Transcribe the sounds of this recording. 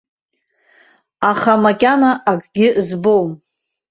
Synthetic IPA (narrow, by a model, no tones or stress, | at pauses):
aχamakʲʼanaʔakʼɡʲɪzbowm